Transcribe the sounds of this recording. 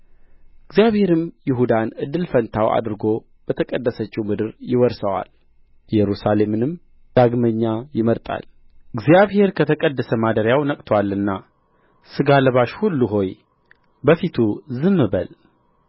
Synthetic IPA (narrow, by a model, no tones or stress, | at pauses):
ɨɡzjaβhe̞ɾɨmjɪɦud̪anɨd̪ːɨlfənt̪ʰawʔa̰d̪ɾɨɡo̞ | b̥ət̪ʰəkʼəd̪ːəsət͡ʃːiwmɨd̪ɨɾjɪwɔɾsəwa̰l | jɛɾusale̞mɨnɨm | d̪̥aɡməɲːajɪməɾt̪ʼa̰l | ɨɡzijaβhe̞ɾkʰət̪ʰəkʼəd̪ːəsəmad̪əɾjawnəkʼt̪ʰwalːɨnːa | sɨɡaləβaʃhulːuɦo̞j | bəfit̪ʰuzɨmːɨbə̰l